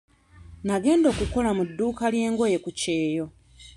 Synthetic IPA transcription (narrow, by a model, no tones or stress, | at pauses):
naɡe̞ːndo̞ːkuko̞lamudːuːkalje̞ːŋɡo̞je̞kuce̞ːjo̞